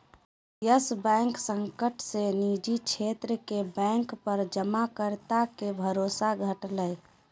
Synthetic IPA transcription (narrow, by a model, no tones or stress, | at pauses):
jəsbɛ̃ŋksəŋkəʈsenid͡ʒit͡ʃʰet̪ɾəkebɛ̃ŋkpəɾd͡ʒəmakəɾt̪akebʱəɾosaɡʱəʈlə